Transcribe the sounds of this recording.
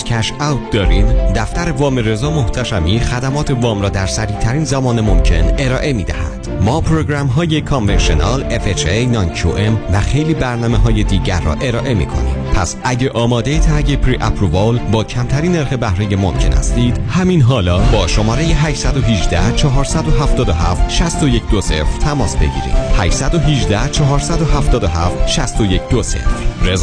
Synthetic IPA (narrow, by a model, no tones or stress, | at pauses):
kʰæʃæwt̪̚d̪ɒːɾiːnd̪æft̪æɾe̞vɒːmeɾe̞zɒːmo̞ht̪ʰæʃæmiːxæd̪æmɒːt̪ʰe̞vɒːmɾɒːd̪æɾsæɾiːt̪ʰæɾiːnzæmɒːnemo̞mcʰe̞ne̞ɾɒːʔe̞miːd̪æhæ̰d̪̥mɒːpʰɾoɡɾæmɦɒːjekʰonvenʃionɒːlefet͡ʃejnɒːncʰuʔemvæxe̞jliːbæɾnɒːmeɦɒːjed̪iːɟæɾːɒ̰ːʔe̞ɾɒːʔe̞mḭːkʰo̞̰nḭ̥pʰæsʔæɟeʔɒːmɒːd̪ejet̪ʰæɾɟepʰɾiʔæ̰pʰɾovolbɒːcʰæmt̪ʰæɾiːnːe̞ɾxe̞bæhɾejemo̞̰mcʰe̞næ̰st̪iːd̪̥hæminɦɒːlɒːbɒːʃo̞mɒːɾejeɦæːʃsæd̪oɦid͡ʒd̪æht͡ʃʰɒɦɒːɾsæd̪oɦæft̪ɒːd̪oɦæft̪ʃæst̪oje̞cʰd̪osefɾ̥t̪ʰæmɒːsbe̞̰ɟḭːɾḭːd̪̥hæʃsæd̪o̞ɦid͡ʒd̪æht͡ʃʰɒɦɒːɾsæd̪o̞ɦæft̪ɒːd̪oɦæft̪ʃæst̪o̞je̞cʰd̪ose̞̰fɾɾez